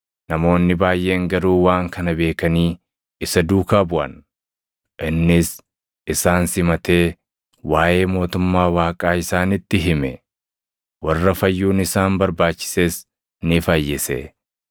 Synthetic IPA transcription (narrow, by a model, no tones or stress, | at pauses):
nɐmo̞ːnːɪbaːjːʔe̞ːŋɡɐɾuːwaːŋkɐnɐbe̞ːkɐniː | ɪsɐd̪uːkaːbʊʔɐ̰n | ʔɪnːɪs | ʔɪsaːnsɪmɐt̪eː | waːʔe̞ːmo̞ːt̪ʊmːaːwaːkʼaːɪsaːnɪt̪ːɪɦɪmɛ | wɐrːɐfɐjːuːnɪsaːmbɐɾbaːt͡ʃːɪ̥se̞ːs | nɪfajːɪsḛ